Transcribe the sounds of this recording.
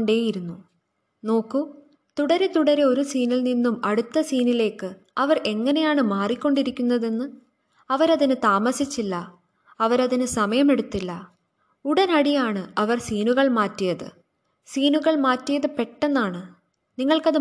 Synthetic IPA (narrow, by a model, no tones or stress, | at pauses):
ɳɖe̞ːjiɾunːu | no̞ːkːu | t̪uɽɐɾet̪uɽɐɾeo̞ɾusiːnilninːumɐɽut̪ːɐsiːnile̞ːkːɨ | ɐʋɐre̞ŋːɐne̞jaːɳɨmaːrikʲːo̞ɳɖiɾikʲːunːɐðe̞nːɨ | ɐʋɐɾɐðinɨt̪aːmɐsit͡ɕːilːɐ | ɐʋɐɾɐðinɨsɐmɐjɐme̞ɽut̪ːilːɐ | uɽɐnɐɽijaːɳɨɐʋɐrsiːnuɣɐɭmaːtːijɐðɨ̰ | siːnuɣɐɭmaːtːijɐðɨpe̞ʈːenːaːɳɨ | niŋːɐɭkɐðɨ